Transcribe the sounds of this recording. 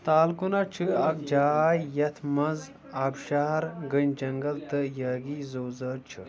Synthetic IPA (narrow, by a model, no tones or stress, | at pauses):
t̪aːlkunat͡ʃʰɨɐk̚d͡ʒaːjɐt̪ʰmɐz | abʃaːɾɡɨnd͡ʒɐŋɡɐlt̪ɨjɐːɡizoːzɐːɾt͡ʃʰɨ̰